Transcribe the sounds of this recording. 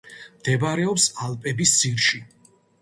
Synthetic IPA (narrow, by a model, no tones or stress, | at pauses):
md̪̥ɛbaɾɛɔpsalˠpʼɛbissiɾʃi